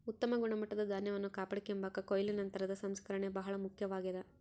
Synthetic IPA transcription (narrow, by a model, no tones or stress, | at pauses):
ut̪ːɐmɐɡuɳɐmɐʈːɐd̪ɐd̪ʱaːnjɐʋɐnːukaːpɐɽikːombɐkːɐkojlinɐnt̪ɐɾɐd̪ɐsɐmskɐɾɐɳebɐɦɐɭɐmukʰjɐʋaːɡid̪ɐ